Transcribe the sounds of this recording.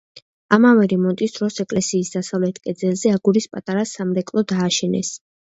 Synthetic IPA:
amavɛɾɛmɔnt̪ʼisd̪̥ɾɔsɛkʼlɛsiːsd̪asavlɛt̪ʰkʼɛd̪zɛlˠzɛaɡuɾispʼat̪ʼaɾasamɾɛkʼlˠɔd̪aːʃɛnɛ̰s

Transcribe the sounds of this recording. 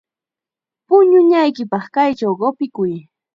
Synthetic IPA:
pʊɲʊɲajkɪpɑχkajt͡ʃawɢopɪkʊj

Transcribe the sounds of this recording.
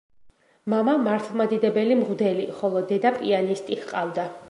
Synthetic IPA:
mamamaɾt̪ʰlˠmad̪id̪ɛbɛlimʁwd̪ɛliχɔlˠɔd̪ɛd̪apʼianist̪ʼihqʼavd̪a

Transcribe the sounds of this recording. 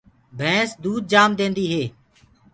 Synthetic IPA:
bʱɛ̃ːsd̪uːd̪̚d͡ʒaːmd̪ẽːnd̪iːɦeː

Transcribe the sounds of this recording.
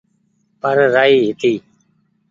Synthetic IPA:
pəɾɾaːiːɦɪt̪iː

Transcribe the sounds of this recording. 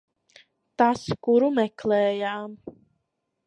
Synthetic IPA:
t̪askuɾumɛklɛːjaːm

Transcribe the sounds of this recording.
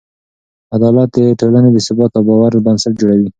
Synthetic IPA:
ad̪ɑlat̪̚d̪əʈolaned̪əsʊbɑt̪awbɑwaɾəbansaʈ̚d͡ʒoɽawi

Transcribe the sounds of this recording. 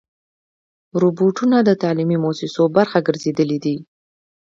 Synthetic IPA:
ɾuboʈunad̪ət̪ɑlimimosɪsobaɾxaɡəɾzed̪əlid̪i

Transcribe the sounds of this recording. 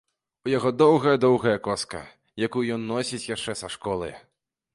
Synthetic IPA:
ujaɣɔd̪ɔwɣɐjɐd̪ɔwɣɐjɐkɔskɐ̰ | jakujjɔnːɔsʲit͡sʲjaʂt͡ʂɛsɐʂkɔlˠɨ̰

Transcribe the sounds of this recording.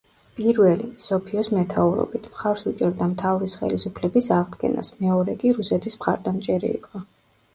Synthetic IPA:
pʼiɾvɛlisɔpʰiɔsmɛt̪ʰauɾɔ̰bit̪ʰmχaɾsut͡ʃʼɛɾd̪amt̪ʰavɾisχɛ̰lisupʰlɛbisaʁd̪ɡɛ̰na̰smɛɔɾɛkʼiɾusɛt̪ʰismχa̰ɾd̪amt͡ʃʼɛɾḭḭkʼɔ

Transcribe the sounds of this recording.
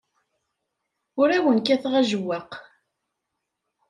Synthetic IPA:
ʊɾæwənkæθʁæʒəwːaq

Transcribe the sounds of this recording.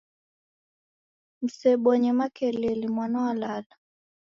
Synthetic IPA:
m̩sɛɓɔɲɛmakɛlɛlimwanawalala

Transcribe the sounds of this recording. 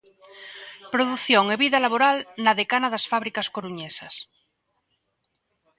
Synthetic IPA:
pɾoðuθjoŋeβiðalaβoɾalnaðekanaðasfaβɾikaskoɾuɲesas

